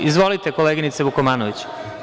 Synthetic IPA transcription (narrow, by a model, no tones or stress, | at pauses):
izʋo̞lit̪ekoleːɡinit̪seβukomaːnoʋit͡ɕ